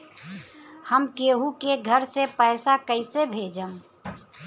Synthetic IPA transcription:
həmkeːɦukeɡʱəɾsepɛɪsakəɪsebʱeːd͡ʒəm

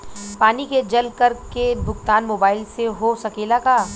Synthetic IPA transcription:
paːniked͡ʒɐlkɐɾkebʱʊɡt̪aːnmoːbaːɪlseɦosɐkeːlakaː

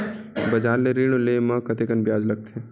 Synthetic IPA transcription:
bɐd͡ʒaːɾleɾiɽ̃olemɐ̃kɐt̪eːkənbjaːd͡ʒlɐɡ̚t̪ʰeː

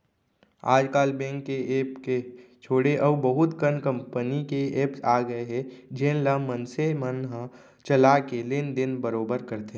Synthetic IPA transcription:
aːd͡ʒkaːlbɛ̃ːŋkːeeːpket͡ʃʰoːɽeʔəbəɦʊt̪kəɾnkə̃mpənikeeːpsaːɡəeɦɛd͡ʒẽːnlamənsemənɦ | t͡ʃəlakelend̪ɪnbəɾoːbəɾkəɾt̪eɦɛ̃

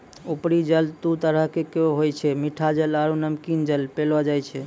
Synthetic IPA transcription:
upɾid͡ʒəlt̪ut̪əɾəɦkekeoɦojt͡ʃʰɛmiʈʰad͡ʒəlaɾunəmkind͡ʒəlpelɔd͡ʒajt͡ʃʰɛ

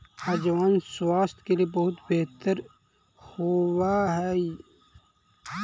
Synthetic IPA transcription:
ad͡ʒwaːnswaːst̪keliebɐɦʊt̪beɦt̪əɾ | howaɦɛi

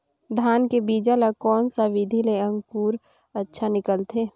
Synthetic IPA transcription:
d̪ʱaːnkebiːd͡ʒalakɔːnsaʋɪd̪ʱileə̃ŋɡkuːɾ | ətːʃʰanɪkəlt̪ʰeː

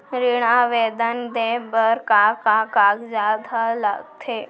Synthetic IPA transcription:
ɾiɽ̃ãʋed̪ənd̪ebəɾkakakaɡd͡ʒaːd̪ʱala̰ɡt̪ʰe

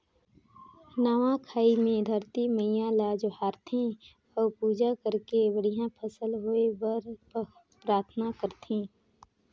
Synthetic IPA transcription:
naːʋãkʰaːimẽd̪ʱəɾt̪iməjãlaːd͡ʒhaːɾt̪ʰẽ | ɔːɾpuːd͡ʒakəɾkebəɽijãpʰəsəlɦoebəɾ | pɾaːɾt̪ʰnakəɾt̪ʰĩː

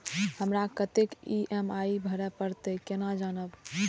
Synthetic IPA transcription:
həmɾakət̪ekiʔemaibʱəɾɛpəɾt̪əkenad͡ʒanəb

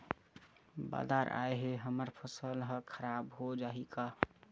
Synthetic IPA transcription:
ba̰d̪aɾʔa̰eɦeɦəməɾpʰəsəlɦə̃kʰəɾabɦod͡ʒaɦika

